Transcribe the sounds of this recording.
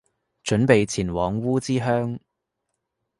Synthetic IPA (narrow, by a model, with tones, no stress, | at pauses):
t͡ʃɵ˨˥npe˨jt͡sʰiː˨˩nwɔː˨˧ŋwuː˥t͡siː˥ɦœː˥ŋ